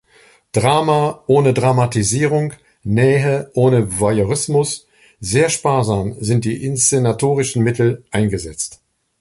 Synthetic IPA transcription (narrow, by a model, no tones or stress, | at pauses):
d̥ʁaːmaʔoːnədʁamatiziːʁ̞ʊŋ | nɛːɦəʔoːnəvajoʁɪsmʊs | zeːɐʃpaːɐzaːmzɪnt̚d̥iːʔɪnst͡senatʰoːʁɪʃn̩mɪtʰl̩ʔaɪnɡəzɛt͡st